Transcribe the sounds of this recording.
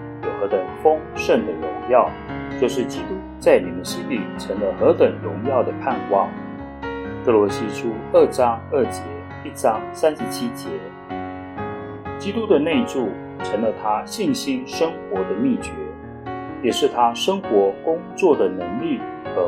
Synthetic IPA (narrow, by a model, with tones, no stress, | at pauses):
jo˨˩xɤ˧˥t̪ə˨˩ŋfʊ˥ŋʂə˥˩ŋd̪ə˩ɻʊ˧˥ŋjɑ˥˩ʊt͡ɕjo˥˧ʊʂɻ̩˥˩t͡ɕi˥t̪u˥t͡sa˥˩ɪni˨˩mə˧˦nɕi˥nli˨˩ʈ͡ʂʰɤ˧˥ŋlə˨xɤ˧˥t̪ə˨˩nɻʊ˧˥ŋjɑ˥˩ʊd̪ə˩pʰa˥˧nkwɑ˥˩ŋ | kʰɤ˥˩lwɔ˧˥ɕi˥ʈ͡ʂʰu˥ə˥˩ʈ͡ʂɑ˥ŋə˥˩t͡ɕjɛ˧˥ | i˥˩ʈ͡ʂɑ˥ŋsa˥nʂɻ̩˧˥t͡ɕʰi˥t͡ɕjɛ˧˥ | t͡ɕi˥t̪u˥d̪ə˨ne˥˧ʈ͡ʂu˥˩ | ʈ͡ʂʰɤ˧˥ŋlə˨t̪ʰa˥ɕi˥˩ŋɕi˥nʂə˥ŋxwɔ˧˥d̪ə˧mi˥˩t͡ɕɥɛ˧˥ | jɛ˨˩ʂɻ̩˥˩t̪ʰa˥ʂə˥ŋxwɔ˧˥kʊ˥ŋt͡swɔ˥˩d̪ə˩nə˧˥ŋli˥˩ | xɤ˧˥